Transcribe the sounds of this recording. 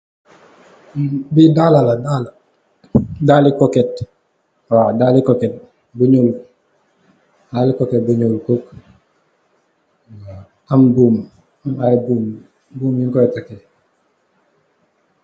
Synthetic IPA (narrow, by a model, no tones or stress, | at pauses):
bidalaladala | dalikoket̚ | wadalikoket̚ | biɲulu | halikoket̚biɲulkoːk | wa | ambuːm | amabuːm | buːmjiŋkoetake